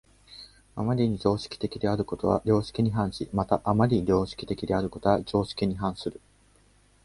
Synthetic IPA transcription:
a̰maɾʲiɲ̟id͡ʑo̞ːɕi̥kʲi̥t̪e̞kʲid̪e̞aɾɯ̟kot̪o̞βa̰ɾʲo̞ːɕi̥kʲiɲ̟iɦãɰ̃ɕimat̪aʔamaɾʲiɾʲo̞ːɕi̥kʲi̥t̪e̞kʲid̪e̞aɾɯ̟ko̞t̪o̞βad͡ʑo̞ːɕi̥kʲiɲ̟iɦãɰ̃sɨɾɯ̟

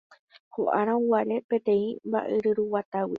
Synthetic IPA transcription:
hoʔaɾãuwaɾe̞pe̞t̪ẽ̞ĩmba̰ʔeɾɨɾuwat̪awi

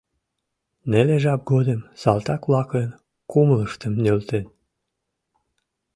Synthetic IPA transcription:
neleʒɑp̚ɡod̪əmsɑlt̪ɑkβlɑklen | kumləʃt̪əmnølt̪en

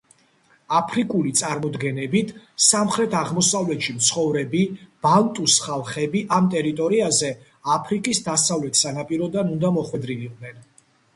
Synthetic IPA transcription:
apʰɾikʼulit̪sʼaɾmɔd̪ɡɛnɛbit̪ʰsamχɾɛt̪ʰaʁmɔsavlɛt̪ʃimt̪sʰχɔvɾɛbib̥alt̪ʼusχalˠχɛbiʔamt̪ʼɛɾit̪ʼɔɾiazɛ | apʰɾikʼisd̪asavlɛt̪ʰsanapʼiɾɔd̪anund̪amɔχwɛd̪ɾiviqʼd̪nɛn

